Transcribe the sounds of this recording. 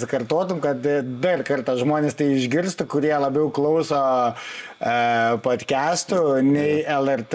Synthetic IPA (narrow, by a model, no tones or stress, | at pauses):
sɪkɐrt̪oːt̪ʊmkɐt̪d̪ɐrkɐrt̪ɐʒmoːnʲeːst̪ɐɪɪʒʲɡʲɪrst̪ʊkʊɾʲiɛlˠɐbʲɛʊklˠɐʊsoː | poːt̪ʲkʲæːst̪ʊnʲɛɪɛlˠɛrt̪